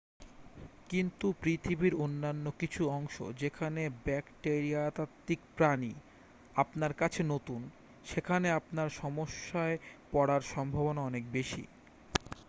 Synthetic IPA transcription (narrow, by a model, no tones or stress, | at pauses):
kint̪upɾit̪ʰibiɾonːanːokit͡ɕʰuɔŋʃo̰d͡ʑekʰanebɛkʈeɾiat̪at̪ːikpɾani | apnaɾkat͡ɕʰenot̪un | ʃekʰaneapnaɾʃɔmoʃːaepɔɽaɾʃɔmbʱabonaɔnek̚beʃḭ